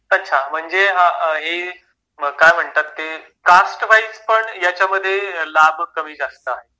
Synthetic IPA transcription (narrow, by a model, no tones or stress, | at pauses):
ətːɕʰam̤əɳd͡zeɦaɦe | kajm̤əɳt̪at̪ːe | kasʈʋajspəɳjat͡ɕaməd̪ʱːjelabkəmiːd͡zast̪əaɦe